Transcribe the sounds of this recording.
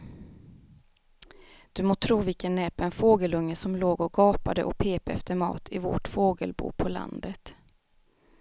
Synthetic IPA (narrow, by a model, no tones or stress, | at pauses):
d̪̥ɵmoːt̪ʰɾuːvɪlkənːɛːpɛnfoːɡəlɵŋːəsɔmloːɡɔɡɑːpad̪əʔɔpʰeːpaɛft̪əɾmɑ̰ːt̪ʰɪvo̰ʈfoːɡəlbṵːpʰɔla̰nd̪ət̪